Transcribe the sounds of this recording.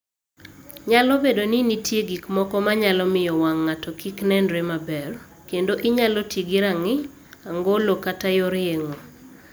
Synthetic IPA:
ɲalɔbedoninitjeɡikmɔkɔmaɲalɔmɪjɔwaŋːatɔkiknɛndɾemabɛɾ | kendoʔɪɲalɔtjeɡiɾaŋɪ | aŋɡolokatajoɾeŋo

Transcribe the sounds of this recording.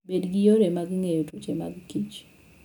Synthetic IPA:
bedɡɪjoɾemaɡŋejotot͡ʃema̰ɡkit͡ʃ

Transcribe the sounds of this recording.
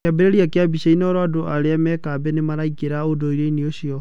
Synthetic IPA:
kabeɾeɾiakeabiɕainɔɾwadoʔaɾeamɛkaːbɛnemaɾaikeɾaodoiɾeinioɕiɔ

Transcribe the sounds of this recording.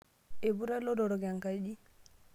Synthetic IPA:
ebuɾalɔdɔɾɔɡaŋkajɗi

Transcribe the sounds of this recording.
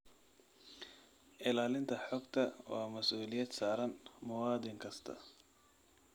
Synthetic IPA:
ʔɪlaːlɪnt̪ʰɐħɔːɡt̪ʰɐwɑːmɐsʔuːlɪjɐd̪saːɾɐnmɐwaːd̪ɪŋkʰɐst̪ʰɐ̰

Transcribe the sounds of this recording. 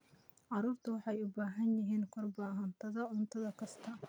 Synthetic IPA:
ʕɑɾuːrt̪ʰɐwɑħɑjʊbaːɦɐnjɪɦiːnkʰɔrbaːɦɐnt̪ʰɐðɐʕʊnt̪ʰɐðɐkʰɐst̪ʰɐ

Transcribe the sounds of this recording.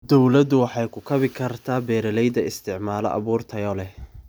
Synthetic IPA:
d̪ɔwlɐd̪ʊwɑħɑjkʰʊkʰɐβɪkʰɐrt̪ʰaːbɛːɾɛlɛjd̪ɐɪst̪ʰɪʕmaːlɔ̰ʔɐ̰βuːrt̪ʰɐjɔːlɛh

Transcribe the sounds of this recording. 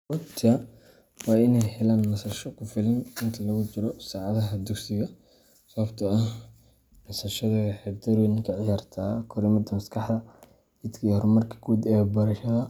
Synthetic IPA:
wɐt̪ʰɐ | wɑːɪnɛjhɛlaːnnɐsɐʃɔkʰʊfɪlɪnɪnt̪ʰɐlɐɣʊt͡ʃɪɾɔsaːʕɑðɐɦɐd̪ʊɡsɪɣɐ | sɐβɐbt̪ʰɐɐh | nɐsɐʃɐðɐɣɐħɪɾd̪ɐɾɛnɪŋkʰɐʕɪjaːrt̪ʰaːkʰɔɾɪmɐd̪ɐmɐskʰɑħd̪ɐ | ɪd̪kʰɐhɔrmɐrkʰɐ̥ɡuːd̪ɛːbɐɾɐʃɐðɐ

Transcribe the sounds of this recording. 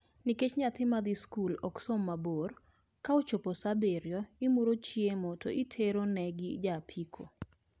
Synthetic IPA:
niket͡ʃɲat̪ɪmad̪iskulɔksomːabor | kaot͡ʃoposabeɾjɔɪmuɾot͡ʃjemɔtʰo̰itʰeɾonɛɡɪd͡ʒapʰikʰo̰

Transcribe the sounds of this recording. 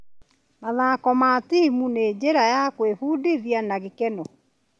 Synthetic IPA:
maðaːkɔmatiimuneːd͡ʑeɾajakwefuːdiðianaɣekɛnɔ

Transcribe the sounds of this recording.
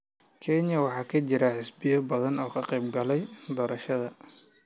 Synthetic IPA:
kʰɛnjɐwɑħɑːkʰɐt͡ʃɪɾɐħɪsbɪjɐbɐðɐnɔːkʰɐqɛjbɡɐlɛjd̪ɔːɾɐʃɐðɐ

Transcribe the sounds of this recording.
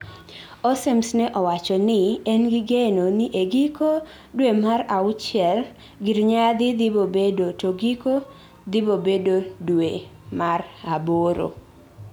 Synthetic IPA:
osemsnɛʔɔwat͡ʃɔnɪɛnɡɪɡenoniʔeɡiko | dwemaɾaʊt͡ʃɪɛl | ɡiɾɲad̪ɪd̪ɪbobedotoɡiko | d̪ɪbobedodwemaraboɾo̰

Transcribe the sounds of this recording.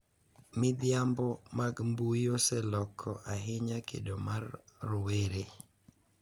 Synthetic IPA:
mɪd̪ɪjambɔmaɡmbuiosɛlɔkʰɔʔaɦɪɲakʰḛdomarːʊweɾe

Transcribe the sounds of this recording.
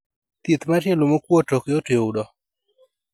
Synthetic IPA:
t̪jit̪matjɛlomokwotokjoteudɔ

